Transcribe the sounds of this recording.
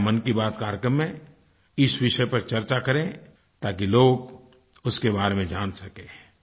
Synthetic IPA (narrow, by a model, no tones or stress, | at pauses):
mənkibaːt̪kaːɾjəkɾəmːẽ | ɪsʋɪʃəpɐɾt͡ʃɐɾt͡ʃakɐɾẽ | t̪aːkiloːɡ | ʊskebaːɾemẽd͡ʒaːnsɐkẽː